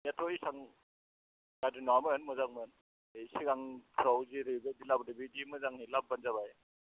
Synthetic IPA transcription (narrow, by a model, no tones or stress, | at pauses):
jatʰɾɔisaŋ | ɡadinaamɯnmɯzaŋmɯn | esiɡaŋpʰɾawziɾibedilabɾibidimɯzaŋhilap̚banzabaj